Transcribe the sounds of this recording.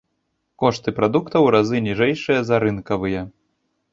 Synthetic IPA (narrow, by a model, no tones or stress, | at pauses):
kɔʂt̪ɨpɾad̪ukt̪ɐwɾazɨnʲiʐɛjʂɨjɐzɐɾɨnkɐvɨjɐ